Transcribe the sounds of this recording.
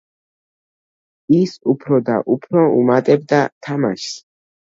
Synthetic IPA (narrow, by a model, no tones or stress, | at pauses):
isupʰɾɔd̪a̰ʔupʰɾɔṵmat̪ʼɛb̚d̪at̪ʰama̰ʃs